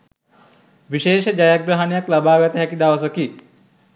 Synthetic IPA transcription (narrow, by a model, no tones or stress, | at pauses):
ʋiʃeːʃəd͡ʒajaɡɾaɦanijaklabaːɡɐt̪əɦɛkid̪aːʋɐs̬ɐki